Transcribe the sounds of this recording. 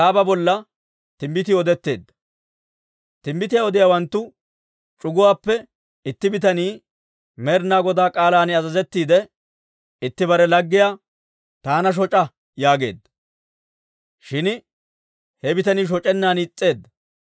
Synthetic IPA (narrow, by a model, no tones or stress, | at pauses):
aːbɐbɔlːɐ | t̪ɪmbɪt̪ɪɔd̪ɛt̪ːe̞ːd̪ːɐ | t̪ɪmbɪt̪̬ɪjaɔd̪ɪjaːwɐnt̪ːʊ | t͡ʃʼʊɡʊwaːpːɛ | ɪt̪ːɪbɪt̪ɐniː | mɛɾnːaːɡɔd̪aːkʼaːlaːnɪɐzɐzɛt̪ːiːd̪ɛ | ɪt̪ːɪbɐɾɛlɐɡːɪjaː | t̪aːnɐʃ̬ɔt͡ʃʼɐ | jaːɡe̞̰ːd̪ːɐ | ʃɪn | hɛbɪt̪ɐniːʃ̬ɔt͡ʃʼɛnːaːnːt͡sʼːe̞ːd̪ːɐ